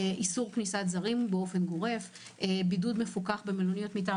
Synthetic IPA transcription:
ʔisuʁknisatzaʁimbeo̞fe̞nɡo̞ʁe̞v | bidudme̞fukaχbemelonijo̞tmit̬a

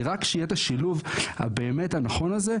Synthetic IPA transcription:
ʁakːʃijet̪aʃiluvha̰beːmethanaχo̞naze

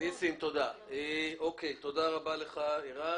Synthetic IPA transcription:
isimt̪o̞d̪aeokejt̪o̞d̪aʁabaleχaiʁa

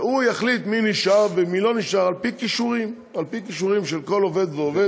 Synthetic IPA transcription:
ujaχlit̪miniʃaʁvemilo̞niʃaʁalpikiʃuʁim | alpikiʃuʁimʃelko̞lo̞ve̞d̪veove

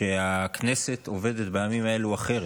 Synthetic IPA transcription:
eakne̞se̞t̪o̞ve̞d̪et̪bejamimae̞luaχe̞ʁ

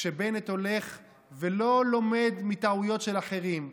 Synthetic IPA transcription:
ʃebe̞net̪o̞le̞χ | velo̞lo̞me̞d̪mit̪aujo̞t̪ʃe̞laχe̞ʁim

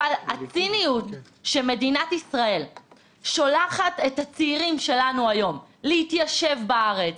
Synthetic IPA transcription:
alat͡sinijut | ʃeme̞dinatisʁae̞l | ʃolaχate̞that͡siːʁimʃe̞lanuajo̞mlehitjaʃe̞vbaaʁet͡s

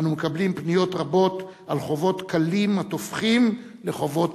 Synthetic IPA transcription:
numekablimpnijo̞t̪ʁabo̞t̪ | alχo̞vo̞tkalimat̪o̞fχim | le̞χo̞vo̞t

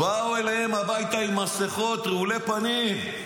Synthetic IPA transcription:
auelahemabajt̪aimaseχo̞t̪ʁeulepanim

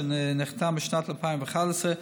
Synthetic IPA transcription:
nnɪχtʰamɪʃnatlˠəpʰaɪmvɪχalˠəsə

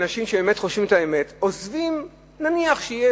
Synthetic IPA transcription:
naʃimʃebemetχo̞ʃvimetaemetozvim | naniaχʃeije

